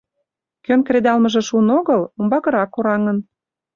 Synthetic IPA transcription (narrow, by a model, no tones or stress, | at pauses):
kønkred̪ɑlmə̆ʒĕʃunoɣəlombɑɣə̆ɾɑkoɾɑŋən